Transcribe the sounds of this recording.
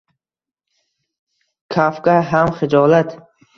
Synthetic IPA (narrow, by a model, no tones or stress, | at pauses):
kʰafkaɦamχɪd͡ʒɔlat̪